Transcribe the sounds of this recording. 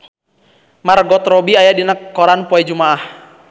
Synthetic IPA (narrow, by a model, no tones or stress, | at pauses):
marɡɔt̪rɔbiajadinəkːɔɾanpɔɛd͡ʒumaah